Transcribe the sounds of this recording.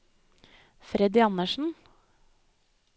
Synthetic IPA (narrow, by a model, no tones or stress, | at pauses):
fɾɛd̪ɪɑnəʂn̩